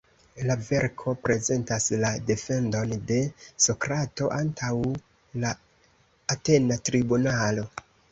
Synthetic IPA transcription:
lave̞ɾkʰo̞pɾe̞ze̞ntaslade̞fe̞ndo̞nde̞so̞kɾato̞ʔantʰaw | laː | te̞natɾibunalo̞

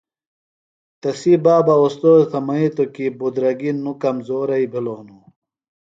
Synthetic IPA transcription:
t̪ɐsibaːbɐost̪oːt̪ʰɐmɐit̪okibud̪ɾɐɡinːukɐmzoːɾɐibʱilonu

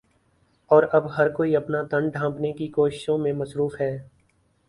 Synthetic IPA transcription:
ɔːɾɐbɦɐɾkoːiɐpnat̪ɐ̃ɳɖɖʱãːpnekikoːʃɪ̥ʃõmẽmɐsɾuːfɦɛː

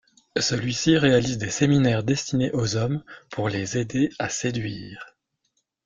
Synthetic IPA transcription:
səlɥisiʁealizd̪eseminɛʁd̪ɛst̪ʰineʔozɔmpʰuʁlezed̪eased̪ɥiːʁ

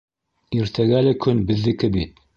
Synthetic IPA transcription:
iɾt̪ʰæɡælɘkʰɵnbɘ̆ðːɘ̆kɘbit̪̚

